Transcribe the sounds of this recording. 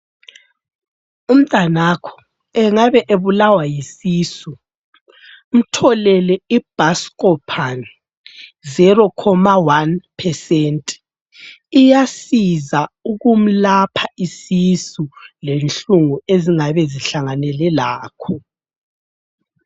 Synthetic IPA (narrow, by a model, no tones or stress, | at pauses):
um̩tʼanakʰɔ̥ | ɛŋaβɛʔeβulawajisiːsu | m̩tʰɔlɛlɛib̥ʱaskʼɔpʰan | zɛɾɔkʰɔmawanpʰɛsɛntʼ | ijasizauɣum̩lapʰaisisulent͡ɬuŋueziŋaβɛziɬaŋanɛlɛlaːkʰɔ